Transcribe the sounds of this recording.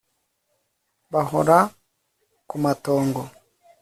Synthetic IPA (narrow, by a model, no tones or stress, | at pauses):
bahɔɾa | kumatɔːŋɡɔ